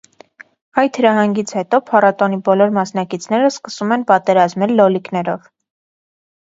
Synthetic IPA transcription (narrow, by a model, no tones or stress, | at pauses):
ɑjt̪həɾɑhɑŋɡit͡sʰhɛt̪ɔpʰɑrɑt̪ɔnibɔlɔɾmɑsnɑkit͡sʰn̪ɛɾəskəsumɛnpɑt̪ɛɾɑzmɛlːɔliknɛɾɔv